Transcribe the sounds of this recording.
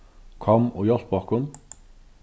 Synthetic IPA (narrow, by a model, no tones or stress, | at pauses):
kʰɔmʊjɔɬpɔkʊm